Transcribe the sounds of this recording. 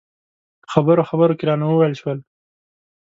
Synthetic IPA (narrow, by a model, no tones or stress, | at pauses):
xabəɾoxabəɾokeɾɑnawəwejlʃwəl